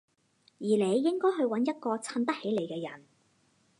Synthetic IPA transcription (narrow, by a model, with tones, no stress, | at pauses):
jiː˨˩le˨˧jːɪ˥ŋkɔː˥jɦɵ˧ɥwɐ˨˥njɐ˥t̚kɔː˧t͡sʰɐ˧nt̪ɐ˥k̚he˨˥jle˨jkɛː˧jɐ˨˩n